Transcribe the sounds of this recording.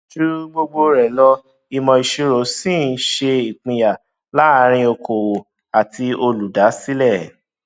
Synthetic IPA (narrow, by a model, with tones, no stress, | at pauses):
ʃu˦ɾu˦ɡ͡bo˧ɡ͡bo˧ɾɛ˨lɔ˧ | i˧mɔ̃˧i˧ʃu˦ɾo˨˦sĩ˦˨n̩˦ʃe˧i˨k͡pĩ˧ja˨ | la˨˦˧ɾ̃ĩ˧o˧kʰo˨wo˨ | a˨ti˧o˧lu˨da˨˦si˦lɛ˦˨